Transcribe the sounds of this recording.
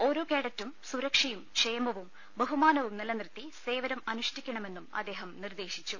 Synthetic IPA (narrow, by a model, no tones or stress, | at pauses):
o̞ɾokeːɽɐtːumsuɾɐkʂɐjumʂejɐmɐʋum | bɐɦumaːnɐʋumnilɐnrɨt̪ːise̞ːʋɐɾɐmɐnuʂtikʲːɐɳɐme̞nːumɐ̰d̪ːe̞ːɦɐmnird̪e̞ːɕit͡ɕːu